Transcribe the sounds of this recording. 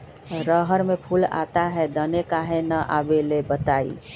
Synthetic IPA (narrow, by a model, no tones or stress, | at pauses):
ɾəɦəɾmẽpʰula̰ːt̪aɦɛd̪ənekaɦẽnəʔa̰ːbelebət̪aːḭ